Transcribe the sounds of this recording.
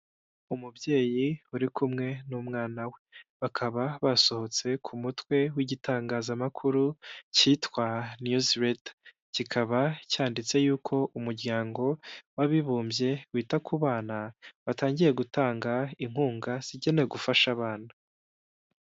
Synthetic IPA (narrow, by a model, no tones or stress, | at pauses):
umubje̞ːjiuɾikumŋe̞nuːmŋaːnawe̞βakʰaβaβaso̞ho̞t͡se̞kʰumutwe̞wiɟitʰaːŋɡaːzamakʰuɾucitwanjuzɾet | cikʰaβacaːndit͡se̞juːkʰo̞ʔumuɾɡɟaːŋɡo̞waβiβuːmbje̞wiːtakʰuβaːnaβataːɲɟiɾe̞ɡutaːŋɡaiŋ̥uːŋɡaz̥iɟe̞neɡufaʃaβaːna